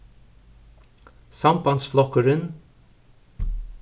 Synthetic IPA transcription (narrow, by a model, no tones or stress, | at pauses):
sɑmbɑnsflɔkəɾən